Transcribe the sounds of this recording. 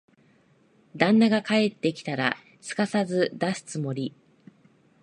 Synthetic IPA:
d̪ãnːaɡakae̞t̪ːe̞kʲi̥t̪aɾa̰ | t͡sɨ̥kasazɨd̪asɨ̥t͡sɨmo̞ɾʲi

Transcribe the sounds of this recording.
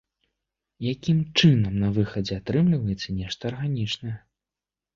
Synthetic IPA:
jakʲimt͡ʂɨnɐmnɐvɨxɐd͡zʲɛat̪ɾɨmlʲivɐjɛt̪sːɐnʲɛʂt̪ɐːrɣanʲit͡ʂnɐjɛ

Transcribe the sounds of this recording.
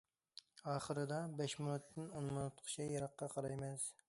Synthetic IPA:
ɑːχəɾɨd̪ɑbɛʃmʊnut̪ʰːɪnonmʊnʊt̪qʰʊ̥t͡ʃʰɛjɑɾɑqːɑqʰɑɾɑjmɛs

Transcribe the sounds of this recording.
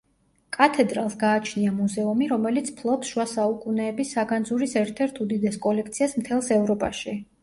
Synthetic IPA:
kʼat̪ʰɛd̪ɾalˠsɡaːt͡ʃʰniamuzɛumiɾɔmɛlit̪sʰpʰlˠɔpsʃuwasaukʼunɛːbisːaɡand̪zuɾisɛɾt̪ʰɛɾt̪ʰud̪id̪ɛskʼɔlɛk̚ʰt̪sʰiasmt̪ʰɛlˠsɛvɾɔpʼa̰ʃi

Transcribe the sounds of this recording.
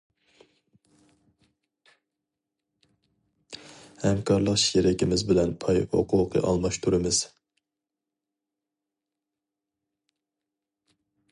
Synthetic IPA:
hɛmkʰɑɾlˠəqʃiɾɪkʲʰimɪzbɪlɛnpʰɑjo̰qʰuqʰɨ̰ʔɑ̰lˠmɑʃt̪ʰuɾɨmɨz̥

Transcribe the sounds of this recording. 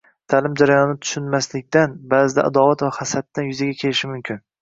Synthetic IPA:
t̪ʰalɪmd͡ʒaɾajɒnɪt̪ʰʊ̥ʃʊnmaslɪkʲt̪anbazɪd̪a̰ʔad̪ɒvat̪vahasat̪ːanjʊzaɡʲakʲʰe̞lɪʃɪmʊmkʲʰɪn

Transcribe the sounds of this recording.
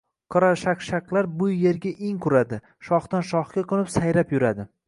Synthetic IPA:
qʰɨɾaʃaqʃaklˠaɾbʊjje̞ɾɡʲaʔeŋkʰʊɾad̪ɪ | ʃɒχt̪anʃɒχkʲaqʰɨlˠɪpsajɾapjʊɾad̪ɪ

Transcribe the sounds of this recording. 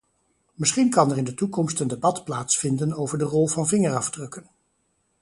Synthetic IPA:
mɪsχinkɑnɛɹɪndətukɔmstəndebɑtplaːtsfɪndənowvəɹdərɔlˠvɑnvɪŋərɑvdrɵkən

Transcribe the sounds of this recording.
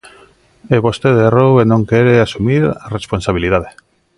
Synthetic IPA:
eβost̪eðerowenõŋkeɾeasumiɾaresponsaβ̞iliðaðe

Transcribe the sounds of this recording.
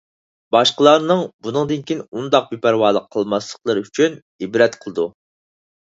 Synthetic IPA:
bɑʃqəlˠɑɾnɨŋbunɨŋd̪ɨnkʲinund̪ɑq̚bipæɾwɑːlˠəqʰːəlˠmɑslˠə̥qlˠəɾɨyt͡ʃʰyn | ibɾɛt̪qʰəlˠɨd̪u

